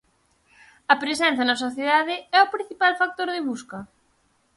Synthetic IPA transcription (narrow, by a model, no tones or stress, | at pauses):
ɐpɾesɛn̟θjɐnɐs̬oθjeðaðɪɛʊpɾĩn̟θipalfak̚t̪oɾðɪβuskɐ